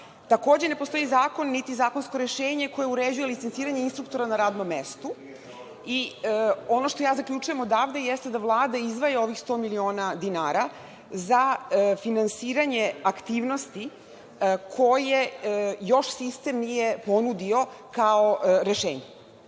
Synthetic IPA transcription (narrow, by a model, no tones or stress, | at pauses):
t̪ako̞ːd͡ʑe̞ne̞post̪o̞izaːko̞nːit̪izaːkonsko̞ɾeʃeːɲe̞ko̞jeuɾed͡ʑujelit̪sent̪siːɾaɲeinst̪ɾuk̚t̪o̞ɾanaɾaːd̪nomːest̪u | i | o̞no̞ʃt̪o̞jaːzakʎʲut͡ʃuje̞mo̞d̪aːʋd̪ejest̪ed̪avlˠaːd̪aizʋajeo̞ʋixst̪o̞milio̞ːnad̪inaːɾa | zafinansiːɾaɲe̞akt̪iːʋno̞st̪i | kʰo̞jejo̞ʃsist̪e̞mnijepo̞nud̪io̞kaoɾeʃḛːɲe